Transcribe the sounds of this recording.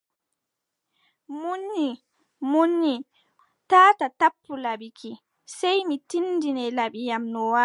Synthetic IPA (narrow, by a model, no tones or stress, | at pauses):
munːi | munːi | taːtatapːulabikʰi | sɛjmitindinɛlaɓijamnɔwa